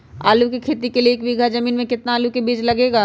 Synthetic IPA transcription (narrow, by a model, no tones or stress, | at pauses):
a̰ːlukikʰeːt̪ikelieːkbiɡʱazɐmiːnmẽkɪt̪naːlukebiːd͡ʒlɐɡeːɡaː